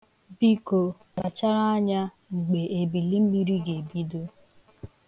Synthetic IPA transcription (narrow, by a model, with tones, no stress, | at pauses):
bi˦ko˨ | ka˨t͡ʃa˦ɾa˦a˦ɲa˦ | ŋ͡m̩˨ɡ͡be˨ʔe˨bi˨li˦m̩˦mi˦ɾi˦ɡe˨bi˦do˦